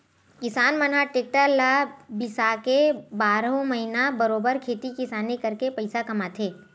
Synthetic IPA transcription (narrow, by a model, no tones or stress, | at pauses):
kɪsaːnmɐnɦaʈeːk̚ʈəllabɪsakebaːɾɦõmɐɦinabɐɾoːbəɾkʰeːt̪ikɪsaːnekɐɾkepɐɪsakɐmat̪ʰeː